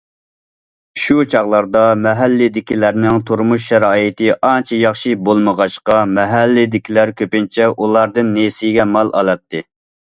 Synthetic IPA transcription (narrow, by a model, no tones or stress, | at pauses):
ʃut͡ʃʰɑʁlˠɑɾd̪ɑmɛɦælːɪd̪ɪkʲilæɾnɪŋt̪ʰuɾmuʃ̬ːɛɾɑːjit̪ɨʔɑnt͡ʃʰɛjɑχʃibolˠməʁɑʃqɑmɛɦælːɪd̪ɪkʲʰilæɾkʲʰøpɪnt͡ʃʰɛʔulˠɑɾd̪ɨnːesijɡʲɛmɑlˠɑ̰lˠɑt̪ːɨ